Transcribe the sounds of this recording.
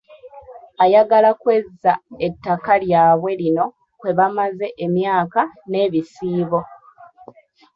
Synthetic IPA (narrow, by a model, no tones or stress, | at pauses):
ajaɡalakwe̞zːae̞tːakaljaːβwe̞lino̞ | kwe̞βamaze̞ʔemjaːkane̞ːβisiːβo̞